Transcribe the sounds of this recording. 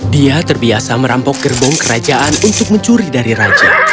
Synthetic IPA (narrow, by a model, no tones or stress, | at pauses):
diat̪ərbiasaməɾampɔk̚ɡərbɔŋkəɾad͡ʒaʔanunt̪ʊk̚məɲt͡ʃuɾidaɾiɾad͡ʒa̰